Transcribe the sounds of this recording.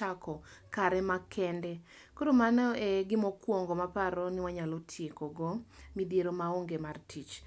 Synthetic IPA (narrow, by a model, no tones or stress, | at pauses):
akʰɔkaɾɛmakʰɛndɛ | koɾomanɔɛɡɪmɔkwɔŋɡɔmapaɾonɪwaɲalotʰjekoɡɔmidjeɾomaoŋɡemartʰit͡ʃ